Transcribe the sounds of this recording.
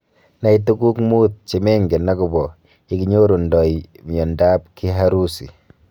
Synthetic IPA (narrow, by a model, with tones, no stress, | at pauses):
na˦it̬u˦ɡu˦kmu˦t̪̚t͡ʃe˨me˦ŋɡe˨na˦ɡu˨bɔ˨ | i˦ɡiɲo˦ɾo˨ndɔ˨imi˨ɔ˨nda˦pki˦ɦaɾu˦sḭ˨